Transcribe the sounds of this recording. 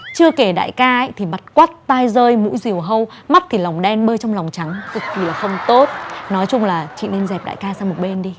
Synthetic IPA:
t͡ɕɨ˧əke˧˩ɗa̰ː˧˨jkaː˧ə˦˥jt̪ʰi˨˩ma˨˩t̚kwaː˦˥t̚t̪aː˧jzəː˧jmṵ˧˥jzi˨˩əwɦə˧w | ma˦˥t̚t̪ʰi˨˩la˨˩wŋ͡mɗɛ˧nɓəː˧t͡ɕɔ˧ŋ͡mla˨˩wŋ͡mt͡ɕa˨˦ŋzɨ˨˩k̚ki˨˩laː˨˩xə˧wŋ͡mt̪o˦˥t̚nɔ˨˦jt͡ɕʊ˧ŋ͡mlaː˨˩t͡ɕḭ˧˨ne˧mzɛ˨˩p̚ɗa̰ː˧˨jkaː˧saː˧mo˨˩t̚ɓe˧nɗi˧

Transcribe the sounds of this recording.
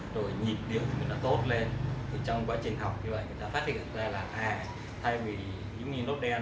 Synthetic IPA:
zo˧˩jɲi˨˩p̚ɗi˨˩˨əwɗ̪a̰ː˧˥t̪o˦˥t̚le˧nt̪ʰi˨˩t͡ɕɔ˧wŋ͡mkwaː˨˦jt͡ɕï˨˩ŋ̟ɦa˨˩wk͡p̚ɲɨ˧və̰˧˨jŋɨ˨˩jt̪aː˧faː˦˥t̚hḭ˧˨nzaː˧laː˨˩ʔaː˧˩ | t̪ʰa˧jvi˨˩ | ḭ˨˦ŋi˧no˦˥t̚ɗɛ˧

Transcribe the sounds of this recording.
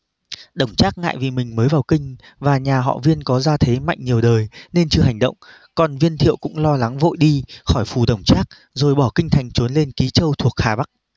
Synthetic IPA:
ɗə˧˩wŋ͡mt͡ɕaː˦˥k̚ŋa̰ː˧˨jvi˨˩mï˨˩ŋ̟məː˨˦jvaː˨˩wkï˧ŋ̟ | vaː˨˩ɲaː˨˩ɦɔ̰˧˨vi˧ənkɔ˨˦zaː˧t̪ʰe˨˦ma̰˧˨jŋ̟ɲi˨˩əwɗəː˨˩jne˧nt͡ɕɨ˧əɦa˨˩jŋ̟ɗə̰˧˨wŋ͡m | kɔ˨˩nvi˧ənt̪ʰḭ˧˨əwkʊ̰˧˥ŋ͡mlɔ˧la˨˦ŋvo̰˧˨jɗi˧xɔ˧˩jfu˨˩ɗə˧˩wŋ͡mt͡ɕaː˦˥k̚ | zo˨˩jɓɔ˧˩kï˧ŋ̟t̪ʰa˨˩jŋ̟t͡ɕo˨˦nle˧nki˨˦t͡ɕə˧wt̪ʰu˨˩ək̚haː˨˩ɓa˦˥k̚

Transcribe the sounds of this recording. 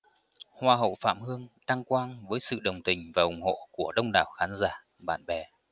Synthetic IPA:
hwaː˧ɦə̰˧˨wfa̰ː˧˨mhɨ˧əŋt̪a˧ŋkwaː˧nvəː˨˦jsɨ̰˧˨ɗə˨˩wŋ͡mt̪ï˨˩ŋ̟vaː˨˩ʔʊ˨˩ŋ͡mho̰˧˨ku˧˩əɗə˧wŋ͡mɗaː˨˩wxaː˨˦nzaː˧˩ | ɓa̰ː˧˨nɓɛ˨˩

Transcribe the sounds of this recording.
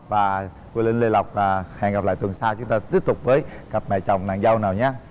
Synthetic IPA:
vaː˨˩ | ki˧lï˧nle˧la˨˩wk͡p̚ːhɛ̰˧˨˩ŋɣa˨˩p̚la̰ː˧˨t̪wɨ˨˩ŋsaː˧t͡ɕʊ˨˦ŋ͡mt̪aː˧t̪i˦˥əp̚t̪ʊ˨˩k͡p̚vəː˨˦jɣə˨˩p̚mɛ̰˧˨t͡ɕɔ˨˩wŋ͡mna̰ː˧˨ŋzə˧wnaː˨˩wɲaː˨˧˦

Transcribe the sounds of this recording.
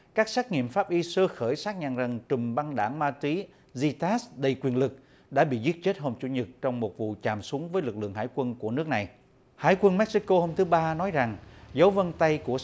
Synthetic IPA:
kaː˦˥k̚saː˦˥k̚ŋḭ˧˨əmfaː˦˥p̚ʔi˧səː˧xəː˧˩jsaː˦˥k̚ɲa̰ː˧˨˩ŋzə˨˩ŋt͡ɕɨ˨˩mɓa˧ŋɗaː˧˩ŋmaː˧t̪wi˨˦ | zi˧t̪aː˦˥sɗə˧˩jkwi˨˩ənlɨ˨˩k̚ | ɗa̰ː˧˥ɓḭ˧˨zi˦˥t̚t͡ɕe˦˥t̚ɦo˧mt͡ɕu˧˩˦ɲɨ˨˩t̚t͡ɕɔ˧wŋ͡mmo˨˩t̚vṵ˧˨t͡ɕaː˨˩msu˨˦əŋvəː˨˦jlɨ˨˩k̚lɨ̰˧˨əŋɦa̰ː˧˥˩jkwə˧nku˧˩ənɨ˦˥ək̚na˨˩j | ha̰ː˧˩jkwə˧nmɛ˦˥k̚si˦˧˥ko˧ho˧mt̪ʰɨ˨˦ɓaː˧nɔ˨˦jza˨˩ŋzə˨˦wvə˧nt̪a˧jku˧˩ə

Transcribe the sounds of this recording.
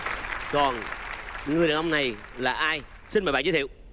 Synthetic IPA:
kɔ˨˩n | ŋɨ˨˩əjɗə˨˩˨ʔə˧ŋ͡mna˨˩jlaː˨˩ʔaː˧j | si˧nmː˨˩ɓa̰˧˨˧t̪ʰḭ˧˨w

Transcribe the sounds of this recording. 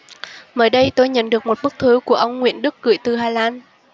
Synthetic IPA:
məː˧˩jɗə˧jt̪o˧jɲə̰˧˨nɗɨ˨˩ək̚mo˨˩t̚mɨ˦˥k̚t̪ʰɨ˨˦ku˧˩əʔə˧wŋ͡mŋwḭ˧˨ənɗɨ˦˥kːɨ̰˧˨jt̪ɨ˨˩ɦaː˧laː˧n

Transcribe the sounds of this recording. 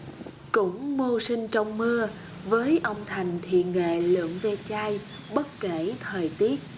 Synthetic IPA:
kʊ̰˧˥ŋ͡mmo˧sï˧ŋ̟t͡ɕɔ˧wŋ͡mmɨ˧ə | vəː˨˦jʔə˧wŋ͡mt̪ʰa˨˩jŋ̟t̪ʰḭ˨ŋḛ˧˨lɨ̰˧˨əŋve˧t͡ɕaː˧j | ɓə˦˥t̚ke˧˩t̪ʰəː˨˩jt̪i˦˥ət̚

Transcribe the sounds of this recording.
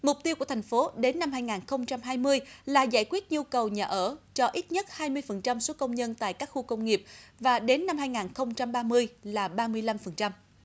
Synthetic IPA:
mʊ˨˩k͡p̚t̪i˧wku˧˩ətʰa˨˩ŋ̟fo˨˦ɗe˨˦nːa˧mɦaː˧jŋaː˨˩nxə˧wŋ͡mt͡ɕa˧mɦaː˧jmɨ˧əjlaː˨˩za̰ː˧˩jkwi˦˥ət̚ɲu˧kə˨˩wɲaː˨˩ʔəː˧˩t͡ɕɔ˧ʔi˦˥t̚ɲə˦˥t̚haː˧jmɨ˧əjfə˨˩nt͡ɕa˧mso˨˦kə˧wŋ͡mɲə˧nt̪a̰ː˧˨jkaː˦˥k̚xu˧kə˧wŋ͡mŋi˨˩əp̚vaː˨˩ɗe˨˦nːa˧mhaː˧jŋaː˨˩nxə˧wŋ͡mt͡ɕa˧mɓaː˧mɨ˧əjlaː˨˩ɓaː˧mɨ˧əjla˧mfə˨˩nt͡ɕa˧m

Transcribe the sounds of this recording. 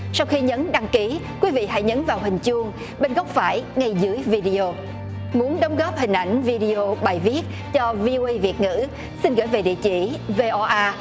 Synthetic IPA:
sa˧wxi˧ɲə˨˦nɗa˧ŋki˨˦kwi˨˦vḭ˧˨ɦa̰˧˥jɲə˨˦nvaː˨˩wɦï˨˩ŋ̟t͡ɕu˧əŋ | ɓe˧nɣɔ˦˥wk͡p̚faː˧˩jŋa˧jzɨ˨˦əjvi˧ɗi˧o˧ | mu˨˦ənɗə˨˦wŋ͡mɣɔː˦˥p̚hï˨˩ŋ̟ʔa˧˩jŋ̟vi˧ɗi˧o˧ɓaː˨˩jvi˦˥ət̚ | t͡ɕɔ˧vi˧ʔo˧ʔə˧jvi˨˩ət̚ŋɨ̰˧˥ | si˧nɣəː˧˩jve˨˩ɗḭ˧˨ət͡ɕḭ˧˩ve˧ʔɔ˧ʔaː˧

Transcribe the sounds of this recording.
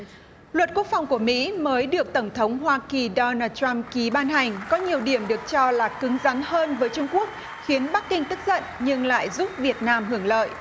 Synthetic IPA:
lwə˨˩t̚ku˦˥ək̚fa˨˩wŋ͡mku˧˩əmḭ˧˥məː˨˦jɗɨ˨˩ək̚t̪ə˧˩wŋ͡mt̪ʰə˨˦wŋ͡mhwaː˧ki˨˩ɗɔ˧naː˧t̚t͡ɕa˧mki˨˦ɓaː˧nɦa˨˩jŋ̟kɔ˨˦ɲi˨˩əwɗi˧˩əmɗɨ˨˩ək̚t͡ɕɔ˧laː˨˩kɨ˨˦ŋza˨˦nɦəː˧nvəː˨˦jt͡ɕʊ˧ŋ͡mku˦˥ək̚ | xi˨˦ənɓa˦˥k̚ːï˧ŋ̟t̪ɨ˦˥k̚zə̰˧˨nɲɨ˧ŋla̰ː˧˨jzu˦˥p̚vi˨˩ət̚naː˧mɦɨ˧˩əŋlə̰ː˧˨jʔ

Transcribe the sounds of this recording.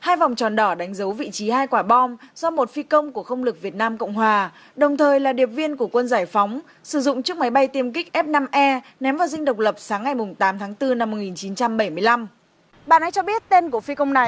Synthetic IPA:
haː˧jva˨˩wŋ͡mt͡ɕɔ˨˩nɗɔ˧˩ɗa˨˦jŋ̟zə˨˦wvḭ˧˨t͡ɕi˨˦haː˧jkwaː˧˩ɓɔ˧mz̥ɔ˧mo˨˩t̚fi˧kə˧wŋ͡mku˧˩əxə˧wŋ͡mlɨ˨˩k̚vi˨˩ət̚naː˧mkə̰˧˨wŋ͡mɦwaː˨˩ | ɗə˨˩wŋ͡mt̪ʰəː˨˩jlaː˨˩ɗi˨˩əp̚vi˧ənku˧˩əkwə˧nzaː˧˩jfa˨˦wŋ͡m | sɨ˧˩zʊ̰˧˨ŋ͡mt͡ɕɨ˦˥ək̚ma˨˦jɓa˧jt̪i˧əmkï˦˥k̚ʔɛ˦˥p̚na˧mʔɛ˧nɛ˨˦mvaː˨˩wzï˧ŋ̟ɗə˨˩wk͡p̚lə˨˩p̚saː˨˦ŋːa˨˩jmʊ˨˩ŋ͡mt̪aː˨˦mt̪ʰaː˨˦ŋt̪ɨ˧na˧mːo˨˩ŋi˨˩nt͡ɕi˨˦nt͡ɕa˧mɓə˧˩jmɨ˧əjla˧m | ɓaː˧˨nʔa˧jt͡ɕɔ˧ɓi˦˥ət̚t̪e˧nku˧˩əfi˧kə˧wŋ͡mna˨˩j

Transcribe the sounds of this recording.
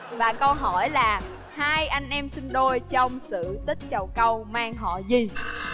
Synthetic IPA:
vaː˨˩kə˧wɦɔ˧˩jlaː˨˩ | haː˧jʔa˧jŋ̟ʔɛ˧msï˧ŋ̟ɗo˧jt͡ɕɔ˧wŋ͡msɨ̰˧˨t̪ï˦˥k̚t͡ɕə˨˩wkə˧wmaː˧ŋɦɔ̰˧˨zi˨˩

